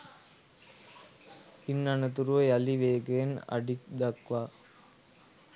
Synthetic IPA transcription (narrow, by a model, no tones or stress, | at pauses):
ɪnːɐnɐt̪uɾʋɐɐliʋeːɡeːnɐ̰ɽikd̪ɐkʋaː